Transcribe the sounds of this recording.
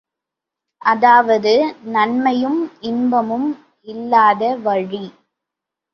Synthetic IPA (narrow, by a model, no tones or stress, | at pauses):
ʔɐðaːʋɐðɯnɐnmɐjɯmɪnbɐmɯm | ɪlːaːðɐʋɐɻi